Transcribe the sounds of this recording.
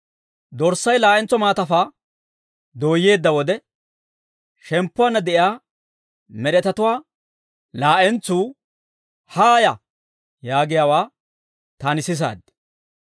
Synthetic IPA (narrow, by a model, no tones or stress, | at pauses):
d̪ɔɾsːɐjlaːʔɛnt͡sːɔmaːt̪ɐfaː | d̪oːjːe̞ːd̪ːɐwɔd̪ɛ | ʃɛmpːʊwaːnːɐd̪ɛʔjaː | mɛɗɛt̪ɐt̪ʊwaː | laːʔɛnt͡sːuː | haːjɐ | jaːɡɪjaːwaː | t̪aːnɪsɪs̬a̰ːd̪